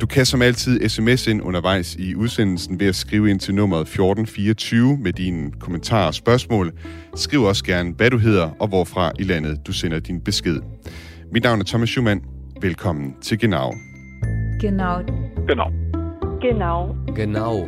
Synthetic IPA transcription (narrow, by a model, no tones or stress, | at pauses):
d̥ukʰæsɒ̽mæl̰t͡sʰið̞̰ˠesemese̝n̰ɔ̽nɐʋɑ̈ɪ̰siuð̞ˠsen̰l̩sn̩ʋe̝æsɡ̥ʁiːʊe̝n̰t͡sʰe̝lnɔ̽m̰ɐð̩ˠfjo̝ːd̥n̩fiːɒt͡sʰyːʊmed̥inkʰo̝mənt͡sʰɑ̰̈ːɒ̽sb̥ɶɐsmɔ̰ːl | sɡ̥ʁḭʊ̰ɐɒ̽sɡ̥æɐnʋæɾ̥uɦe̝ð̞̰ˠɐʔɒ̽ʋɒfʁɑ̈ʔilæn̰ð̞̩ˠd̥usen̰ɐd̥inb̥e̝sɡ̥e̝ð̞̰ˠ | mid̥nɑ̈ʊæɐt͡sʰɒ̽mæsɕṵmæn̰ | ʋelkʰɒ̽m̰n̩t͡sʰe̝lɡ̥e̝nɑ̈ʊ | ɡ̥enaʊɡ̥ena | ɡ̥enɑʊɡ̥enɑʊ